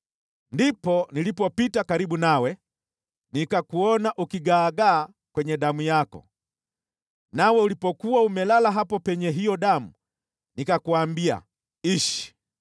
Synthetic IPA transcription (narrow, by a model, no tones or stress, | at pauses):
ndipɔnilipɔpitakaɾiɓunawɛ | nikakuɔnaʔukiɡaːɡaː | kwɛɲɛɗamujakɔ̰ | nawɛulipɔkuwaumɛlalaɦapɔpɛɲɛɦijɔɗamu | nikakuaːmbia̰ | iʃi̥